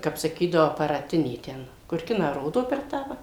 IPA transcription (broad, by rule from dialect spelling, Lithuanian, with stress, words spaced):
ˈkɐp sɐˈkʲiːdɐʋoː ɐpɐrɐˈtʲɪnʲeː ˈtʲɛn kʊr ˈkʲɪnɑː ˈroːdoː pʲɛr ˈtɑː ʋɐ